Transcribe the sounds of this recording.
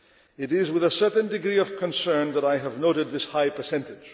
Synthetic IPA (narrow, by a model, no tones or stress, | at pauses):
ɨɾɪzwɨðəsɜ˞ʔn̩dɨɡɹiʌv̥kʰə̃nsɜ̃˞nðəɾaɪəvnoʊɾɨd̪̚ðɪshaɪpʰə˞sɛ̃ntɨd̥d͡ʒ̥